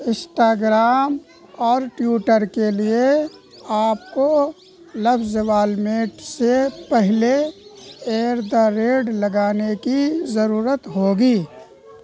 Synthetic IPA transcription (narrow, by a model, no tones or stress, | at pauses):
ɪ̃nsʈaːɡɾaːm | ɔːɾʈjuːʈəɾkelie | aːp̚ko | lɐbzʋaːlmeːʈsepɛɦle | eːɾd̪aɾeːɖlɐɡaːnekizɐɾuːɾət̪ɦoːɡiː